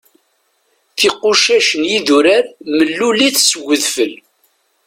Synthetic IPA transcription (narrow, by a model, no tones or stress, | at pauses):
θiqːʊʃæʃənjiðuɾaɾməlːuliθsəwːəðfəl